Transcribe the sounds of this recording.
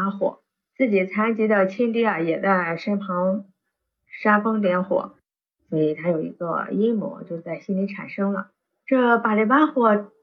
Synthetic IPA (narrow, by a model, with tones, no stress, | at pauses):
a˥xwɔ̰˨˩˦ | t͡sɹ̩˥˩t͡ɕi˨˩t͡sʰa˥nt͡ɕi˧˥d̪ə˧˩t͡ɕʰɛ˥nt̪̬i˥ɐ˥˩jɛ˨˩t͡sa˥˩ɪʂa˥npʰɑ˧˥ŋ | ʂa˥fɤ˥ŋt̪̬jɛ˧˥nxwɔ̰˨˩˦ | swɔ˧˥i˨˩t̪ʰa˥jo˨˩ʊḭ˧˥ɡə̰˧i˥mwɔ̰˧˥t͡ɕjo˥˧ʊt͡sa˥˩ɪɕi˥nli˧˥ʈ͡ʂʰa̰˨˩nʂɤ˥ŋlə˨˩ | ʈ͡ʂɤ˥˩pa˨˩li˧˩pa˥xwɔ˧˩